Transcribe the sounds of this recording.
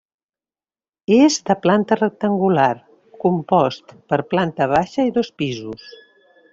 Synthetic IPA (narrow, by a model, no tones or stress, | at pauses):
ezd̪əplant̪ərək̚t̪əŋɡulaɾ | kumpɔst̪pəɾplant̪əβ̞aʃəiðospizus